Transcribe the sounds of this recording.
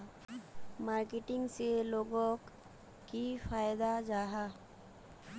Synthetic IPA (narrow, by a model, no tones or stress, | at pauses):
maːɾkɪʈɪ̃ŋɡseloːɡõk | kifaːjd̪ad͡ʒaːɦa